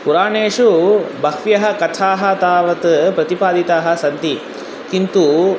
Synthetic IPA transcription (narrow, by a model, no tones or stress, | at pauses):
puɾaːɳeːʂubʱɐkʋjɐɦɐ̆kɐt̪ʰaːɦɐt̪aːʋɐt̪pɾɐt̪ipaːd̪it̪aːɦɐ̆sɐnt̪i | kint̪u